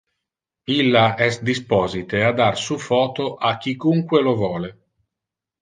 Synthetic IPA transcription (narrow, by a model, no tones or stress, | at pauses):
ilːaɛsd̪ispɔːzit̪ead̪arsufɔːt̪oʔakːikuŋkwelovɔːle